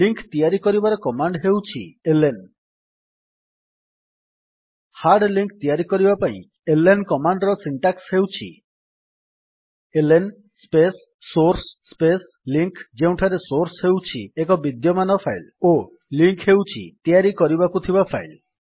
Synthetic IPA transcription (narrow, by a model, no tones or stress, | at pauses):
liŋkt̪ijaɾikɔɾibaɾɔkɔmaɳɖɦewt͡ʃʰḭelen | haɾɖliŋk̚t̪ijaɾikɔɾibapaḭ̃ | elenkɔmaɳɖɾɔsiɳʈaksɦewt͡ʃʰḭ | elen | spesː | oɾsspes | liŋkd͡ʒeũʈʰaɾesoɾsɦewt͡ʃʰiekɔbid̪jɔmanɔpʰajlo | liŋkɦewt͡ʃʰḭt̪ijaɾikɔɾibakut̪ʰibapʰajl